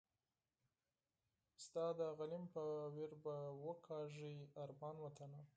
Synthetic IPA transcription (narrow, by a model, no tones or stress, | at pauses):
st̪ɑd̪əɣalimpəweɾbawəkʰɑʐiaɾbɑnwət̪ana